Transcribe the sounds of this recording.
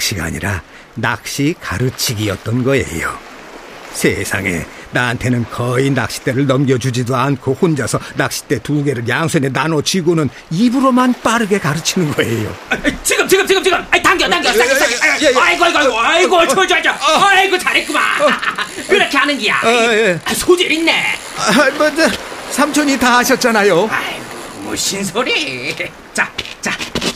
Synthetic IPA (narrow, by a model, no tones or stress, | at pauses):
kɕ͈iɡa̰ːɲḭɾa̰ | nak̚ɕ͈ikaɾɯt͡ɕʰiɡiʌt̚t͈ʌnɡʌḛjo̰ | sʰesʰa̰ŋe̞̰naɦantʰe̞nɯnkʌinak̚ɕ͈i̥t͈eɾɯɭnʌmɡjʌd͡ʑud͡ʑidoankʰohond͡ʑʌsʰʌnak̚ɕ͈i̥t͈e̞tuɡe̞ɾɯɭjaŋsʰenenanot͡ɕʰiɡunɯn | ibuɾomanp͈aɾɯɡe̞kaɾɯt͡ɕʰinɯnɡʌe̞̰jo̰t͡ɕiɡɯmt͡ɕiɡɯmt͡ɕiɡɯmt͡ɕiɡɯmaitaŋɡjʌt̪aŋɡjʌtaʌaɡaeaiɡʌiɡʌiɡoiɡot͡ɕad͡ʑaiɡot͡ɕaɾek͈una̰ | kɯɾʌkʰeanɯnɡija̰jeasʰod͡ʑiɾinːe | mʌnd͡ʑʌsʰamt͡ɕʰoɲitaɦaɕʰʌt̚t͡ɕ͈anajoaiɡmo̰ɕʰins̬ʰoɾi | t͡ɕat͡ɕa